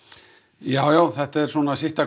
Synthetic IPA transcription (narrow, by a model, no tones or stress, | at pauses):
jaːwjawθɛht̪aɛɾ̥swɔːnasɪht̪ak